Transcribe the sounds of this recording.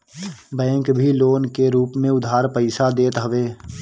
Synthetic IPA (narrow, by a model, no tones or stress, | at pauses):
bɛ̃ːŋkbʱiloːnkeɾuːpmẽʊd̪ʱaːɾpəɪsad̪eːt̪ɦəʋeː